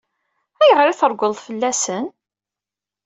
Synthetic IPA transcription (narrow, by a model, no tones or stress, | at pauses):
æjəʁɾiθəɾˤɡʷəðˤðfəlːæsən